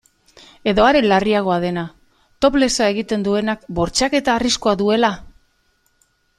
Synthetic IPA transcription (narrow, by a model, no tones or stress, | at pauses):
e̞ðo̞aɾelariaɣ̞o̞aðe̞na | t̪o̞ple̞soae̞ɣit̪e̞nd̪ue̞nakbo̞ɾt͡ʃake̞t̪aːriskoaðue̞la